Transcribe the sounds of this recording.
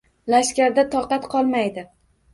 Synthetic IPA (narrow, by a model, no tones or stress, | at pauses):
laʃkʲaɾd̪at̪ʰɒqɑt̪qʰɒlˠmajd̪ɪ